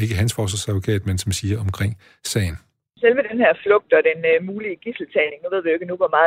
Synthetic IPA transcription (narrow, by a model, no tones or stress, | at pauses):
e̝ɡ̥əɦænsfɒːsɐsæðˠʋokʰɛ̰ːd̥mensɒ̽msiːɐɒ̽mkʰʁeŋ̰ | sɛ̰ɪn̩ | sel̰ʋəd̥enheɐ̰flɔ̽ɡ̥̚d̥ɒ̽d̥enmuːliəɡ̥isl̩t͡sʰɛɪne̝ŋnuʋe̝ð̞̰ˠʋioeɪɡ̥ənuʋɒmɑ̈ː